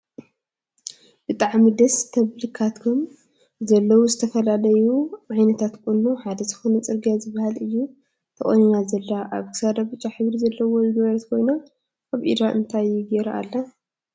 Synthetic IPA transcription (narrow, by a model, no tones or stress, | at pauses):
b̥ɨt̪ʼaʕmid̪ɐst̪ʰɐβlɨkʰat̪kʰom | zɐlːɐwuzɨt̪ʰɐfɐlalɐjuʔajnɐt̪ʰat̪kʼunːuħad̪ɐzɨxo̞nɐt͡sʼɨɾɡijazɨbːahalɨjːu | t̪ʰɐχʼɐ̰ɲɲazɐlːaʔaβkʰɨ̥sad̪abɨt͡ʃʼːaħɨβɾizɐlːɐwo̞jɪɡɐβɐɾɐt̪kʰo̞jna | ʔaβʔḭd̪ɾaʔɨ̰nt̪ʰajɪɡeɾaa̰lːa